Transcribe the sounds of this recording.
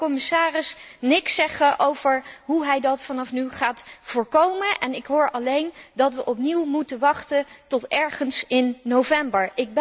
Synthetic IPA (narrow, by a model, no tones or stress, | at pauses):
kɔmɪsaːrɪsnɪksɛχəʔowvəɹɦuɦɛjdɑtfɑnɑfnyχaːtv̥ʊːɹkowmənʔɛnɪkɦʊːɹɑlejndɑtʋəʔɔpniwmutəʋɑχtəntɔtɛɹχənsɪnːowvɛmbəɹɪɡ̚b